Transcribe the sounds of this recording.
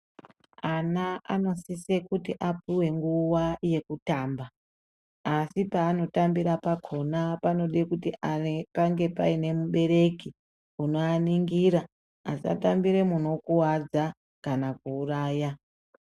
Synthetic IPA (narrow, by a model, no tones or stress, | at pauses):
anaano̞sisekutiʔapiwe̞ŋɡuwaje̞kutaːmbaː | sipaːno̞tambiɾapakʰo̞napano̞ɗekutiʔaekaŋɡe̞paine̞muɓe̞ɾe̞ki | uno̞aniŋɡiːɾaː | sia̰tambiɾe̞muno̞kuwad͡za | kanak̚uːraːja